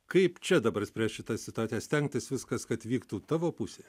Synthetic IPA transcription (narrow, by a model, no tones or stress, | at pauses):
kɐɪpt͡ʃʲɛd̪ɐbɐɾsʲpʲɾʲiɛʃʃʲɪt̪ɑsʲɪt̪ʊɑːt̪ʲijɛsʲt̪ʲɛŋkt̪ʲɪsʋʲɪskɐskɐt̪ʋʲiːkt̪uːt̪ɑːʋoːpʊsʲeː